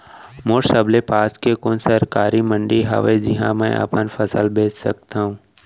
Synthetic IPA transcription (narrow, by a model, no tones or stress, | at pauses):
moːɾsəblepaːskekoːnsəɾkaːɾimə̃ɳɖiɦa̰ʋed͡ʒɪɦã̰mɛ̃ʔə̰pənfɐsəlbʱeːt͡ʃsɐ̰k̚t̪aːɦũː